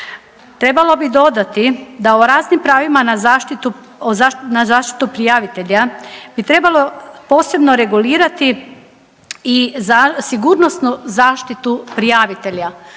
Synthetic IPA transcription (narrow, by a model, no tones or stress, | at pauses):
t̪ɾe̞balˠo̞bid̪o̞d̪at̪id̪aoɾaːznimpɾaːʋimanazaʃt̪it̪u | ozanazaːʃt̪i̥t̪upɾijaʋit̪e̞ʎabit̪ɾe̞balo̞po̞ːse̞bno̞ɾe̞ɡuliːɾat̪i | izasiɡuɾno̞snuzaːʃt̪it̪upɾijaʋit̪e̞ʎa